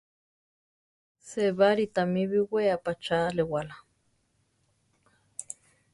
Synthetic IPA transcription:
seβaɾit̪amiβiweapat͡ʃalewala

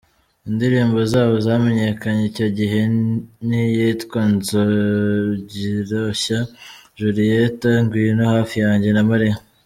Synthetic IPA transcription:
indiɾiːmbozaːβo̞zame̞ɲe̞kaɲeico̞ɟiɦe̞nijitkwanzo | ɟiɾoɕa | ʒuɾijetaŋɡwinohaːfijaːɲɟe̞namaɾe

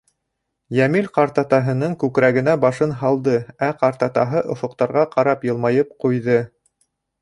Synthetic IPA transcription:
jæmilʲqɑɾt̪ɑt̪ɑɦɤ̆nɤŋkʉkɾæɡɘ̆næbɑʃɤnɦɑlˠd̪ɤæqɑɾt̪ɑt̪ɑɦɤʔŏfŏq̚t̪ɑɾʁɑqɑɾɑpjɤ̆lˠmɑjɤp̚qujðɤ

